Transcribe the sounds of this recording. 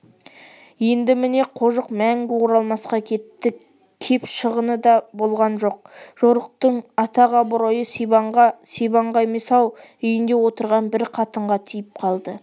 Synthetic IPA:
je̞nd̪ɪmɪne̞qʰo̞ʒəqmæŋɡʲɪwoɾɑlˠmɑsqɑkʲʰe̞t̪ːɪ | kʲʰe̞pʃəʁənəd̪ɑbo̞lˠʁɑnʒo̞q̚ʒ̥o̞ɾəq̚t̪əɴɑt̪ɑʁɑbʊɾojəsebɑɴʁɑsebɑɴʁɑjmesɑw | ʏjɪnd̪e̞wo̞t̪əɾʁɑnbɪɾqʰɑt̪əɴʁɑt̪ʰijɪp̚qʰɑlˠd̪ə

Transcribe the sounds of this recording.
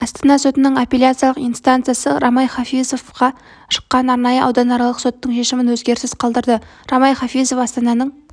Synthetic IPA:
ɑst̪ɑnɑso̞t̪ɪnɪŋopʲelʲjat̪sɨjɑlˠəqijnst̪ant̪sɨjasəɾɑmɑjχɑfijzo̞vqɑ | ʃə̥qːɑnɑɾnɑjəʔɑwd̪ɑnɑɾɑlˠəqso̞t̪ːəɴʃe̞ʃɪmɪnwɵzɡʲe̞ɾsɪzqʰɑlˠd̪əɾd̪ə | ɾɑmɑjχɑfizofɑst̪ɑnɑnəɴ

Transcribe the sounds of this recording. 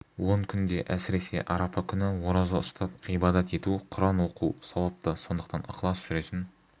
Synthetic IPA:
wo̞ɴkʲʰʏnd̪e̞ʔæsɪɾe̞se̞̰ʔɑɾɑpɑkʲʰʏnɪwoɾɑzɑʊst̪ɑp̚ijbɑd̪ɑt̪e̞t̪uqʰʊɾɑnwo̞qusɑwˠɑp̚t̪əso̞nd̪əqt̪ɑnɑ̰qlˠɑsʒʏɾet̪ɪn

